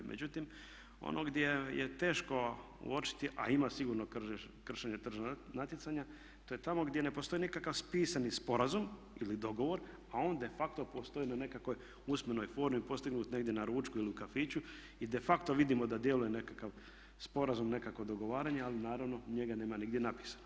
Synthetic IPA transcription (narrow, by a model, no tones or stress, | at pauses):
mʔḛut̪im | o̰nʔoɡd̪ʲje̞jḛt̪e̞ːʃko̞ | ṵot͡ʃi̥t̪iʔa̰imasiɡuːɾno | kr̩ʃeɲet̪r̩ʒnat̪jet̪saɲa | t̪oːje̞t̪amo̞ɡd̪je̞ne̞post̪o̞inikakaʋspiːsanispo̞ɾazum | ilid̪o̞ɡo̞ʋo̞ɾ | ao̞ːnd̪e̞fakt̪o̞post̪o̞iːnane̞kako̞j | usmeno̞jfo̞ːɾmipo̞st̪iɡnuːt̪ne̞ɡ̚d̪je̞naɾuːt͡ʃkuiliukafiːt͡ɕu | id̪e̞fakt̪o̞ʋid̪imo̞d̪ad̪je̞luje̞ne̞kakaʋ | spo̞ɾazumne̞kako̞d̪o̞ɡo̞ʋaːɾaɲealinaːɾaʋno̞ɲe̞ɡane̞ːmaniɡd̪jenapi̥ːsḁno